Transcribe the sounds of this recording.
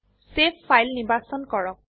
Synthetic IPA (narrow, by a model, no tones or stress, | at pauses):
sepʰːajlnibasɔnkɔɹɔk̚